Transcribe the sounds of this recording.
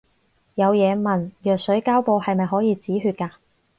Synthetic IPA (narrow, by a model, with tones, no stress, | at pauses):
jɐ˨˧wjɛː˨˧mɐ˨˩njœː˨k̚sɵ˨˥ɥkaː˥wpo˧whɐ˨jmɐ˨jɦɔː˨˥jiː˨˧t͡siː˨˥ɦyː˧t̚kaː˧